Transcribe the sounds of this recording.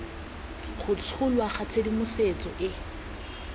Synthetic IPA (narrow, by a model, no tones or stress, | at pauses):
χʊt͡sʰʊlwaχat͡sʰedimʊset͡sʼɔʔɪ